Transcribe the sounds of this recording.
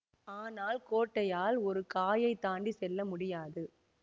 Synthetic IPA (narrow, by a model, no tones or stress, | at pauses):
aːnaːlkoːʈːɐjaːlɔɾɯkaːjɐɪt̪ːaːɳɖisɛlːɐmʊɽɪjaːðɯ